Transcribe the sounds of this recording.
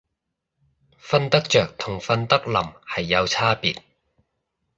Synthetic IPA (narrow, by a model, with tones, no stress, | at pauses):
fɐ˧nt̪ɐ˥k̚t͡ʃœː˨k̚t̪ʰʊ˨˩ŋfɐ˧nt̪ɐ˥k̚lɐ˨˩mhɐ˨jːɐ˨˧wt͡sʰaː˥pḭː˨t̚